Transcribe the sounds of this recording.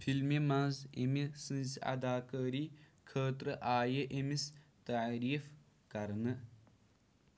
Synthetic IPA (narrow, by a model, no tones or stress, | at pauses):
fʰilmemɐnzemisɨ̃nzɐ̰d̪aːkəːɾiː | kʰəːt̪ɾəʔaːjeʔemist̪aɾiːf | kɐɾnɨ